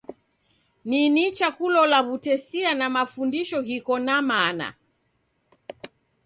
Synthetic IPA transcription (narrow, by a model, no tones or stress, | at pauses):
ninit͡ʃakulɔlaβutɛsianamafundiʃɔɣikɔnamana̰